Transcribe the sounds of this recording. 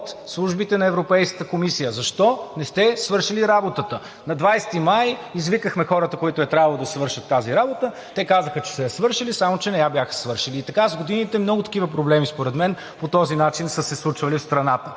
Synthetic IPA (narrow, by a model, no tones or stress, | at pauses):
ot̪slˠuʒbit̪ɛnɐɛvɾopɛjskə̥t̪əkomisijəzɐʃt̪ɔnɛst̪ɛsvɤɾʃiliɾabot̪ət̪ə | nɐd̪vajst̪imajizvikəxmɛxɔɾət̪əkoit̪ʊɛt̪ɾʲabvəlˠod̪ɐsvɤɾʃət̪ːaziɾabot̪ə | t̪ɛkazəxət͡ʃɛ̥sɛjɐsvɤɾʃilisamot͡ʃɛnɛjabjaxə̥svɤɾʃiliːt̪ɐkazɡod̪init̪ɛmnɔɡʊt̪ɐ̥kivəp̬ɾoblɛmispoɾɛd̪mɛn | pot̪ɔzinat͡ʃinsəsɛslˠut͡ʃvɐlifst̪ɾɐnat̪ə